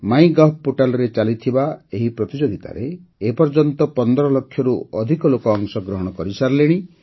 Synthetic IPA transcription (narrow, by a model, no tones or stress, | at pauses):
maĩɡapoʈalɔɾet͡ʃalit̪ʰibaeɦipɾɔt̪id͡ʒoɡit̪a̰ɾeːpɔɾd͡ʒɔnt̪ɔpɔnd̪ɔɾɔlɔkʰːjɔɾuɔd̪ʱikɔlokɔːŋsɔɡɾɔɦɔɽ̃ɔkɔɾisaɾleɽ̃i